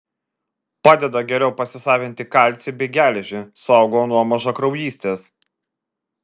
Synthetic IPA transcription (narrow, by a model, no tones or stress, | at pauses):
pɑːd̪ʲɛd̪ɐɡʲɛɾʲɛʊpɐsʲɪsɑːʋʲɪnʲt̪ʲɪkɐlʲt̪sʲɪbʲeɡʲæːlʲɛʒʲɪsɑˑʊɡoːnuɔmɐʒɐkɾɐʊjiːsʲt̪ʲeːs